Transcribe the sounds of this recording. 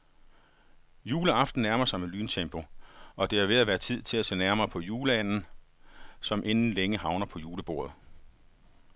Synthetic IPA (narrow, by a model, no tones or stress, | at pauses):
juːləɑ̈fd̥n̩næɐmɐsɑ̈ɪmelyːnt͡sʰemb̥o̝ʔɒ̽d̥e̝æʋe̝æʋæːɐt͡sʰið̞̰ˠt͡sʰe̝læsḛːnæɐmɐːpʰɒ̽juːləæn̰n̩ | sɒ̽mʔe̝nn̩leŋəhɑ̈ʊnɐpʰɒ̽juːləb̥o̝̰ːɐð̞̩ˠ